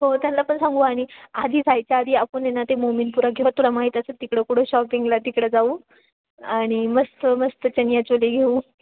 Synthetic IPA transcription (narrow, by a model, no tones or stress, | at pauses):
ɦot̪janlaːpəɳsãŋɡuaɽ̃iad̪ʱiːd͡zʱajt͡ɕjaːd̪ʱiːapəɳenːat̪emominpuɾaɡʱeʋat̪ʰulamaɦiːt̪asət̪ikɽəkuɽõɕɔpiŋɡlat̪ikɽəd͡zauː | aɽ̃iməst̪əməst̪ət͡ɕənjat͡ɕoleɡʱeuː